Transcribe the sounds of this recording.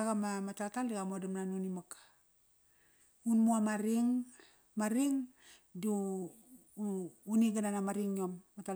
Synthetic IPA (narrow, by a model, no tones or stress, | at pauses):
ɡamamatataldiɡamodamnanunimakḁ | unmuamaɾiŋ | maɾiŋ | du | niɡananamaɾiŋomːata